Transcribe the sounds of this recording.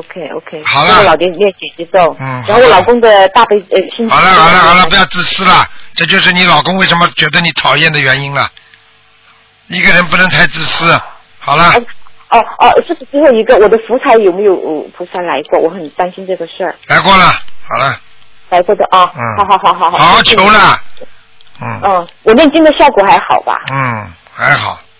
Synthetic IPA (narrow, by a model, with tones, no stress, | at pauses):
o˧kʰe˥o̰˧ʊkʰe˥ɪxɑ˨˩ʊlə˦˥˧lɑ˨˩ʊt̪jɛ˥n˩mjɛ˥˩nt͡ɕjɛ˨˩t͡ɕɛ˧˥t͡so˥˩ŋn̩˥˩xxo˥˩wlɑ˨˩ʊkʊ˥ŋd̪ə˨t̪a˥˩pe˥˩ɪə˧˩t͡ɕʰi˥nɑ˨˩ʊlə˦xɑ˨˩lə˦xɑ˨˩lə˦ppu˧˥jɑ˥˧ʊt͡sɹ̩˥˩sɹ̩˥lɐ˨ʈ͡ʂɤ˥˧t͡ɕjo˥˧ʊʂ̬ɻ̩˥˩ni˧˥lɑ˨˩ʊkʊ˥ŋwe˥˩ɪʂə˧˥nmə˧t͡ɕɥɛ˧˥d̪ə˧ni˧˥t̪ʰɑ˨˩ʊjɛ˥˩nd̪ə˩ɥɛ˧˥ni˥nlɐ˨ | i˧˥˩ɡə˨ɻə˧˥npu˥˩nɤ˧˥ŋt̪ʰa˧˥ɪt͡sɹ̩˥˩sɹ̩˥ | xɑ˨˩ʊlə˦˥ɔ˥˩ɔ˧ʂɻ̩˥˩ʂ̩˨˩t͡sɹ̩˥xo˥˩ʊi˧˥ɡə˧wɔ˨˩d̪ə˦fu˧˥t͡sʰa˧˥ɪjo˨˩ʊme˧˥jo˨˩ʊ˥˩pʰu˧˥sa˥la˧˥ɪkwɔ˥˩wɔ˧˥xə˨˩nt̪a˥nɕi˥nʈ͡ʂɤ˥˩ɡə˨ʂə˥˩la˧˥ɪkwɔ˥˩lɐ˩xɑ˨˩lə˦ | la˧˥ɪkwɔ˥˩d̪ə˨ʔɔ˥˧n̩˥˩xɑ˧˥xɑ˧˥ʊxɑ˨˧˥ʊxɑ˨˧˦xɑ˨˦ʊ˥˩t͡ɕʰjo˧˥ʊlə˧ | n̩˥˩˥wɔ˨˩ljɛ˥˩nt͡ɕi˥ŋd̪ə˨ɕjɑ˥˩ʊkwɔ˨˩xa˧˥ɪxɑ̰˨˩ʊba̰˧n̩˥˩ | xa˧˥ɪxɑ̰˨˩˦ʊ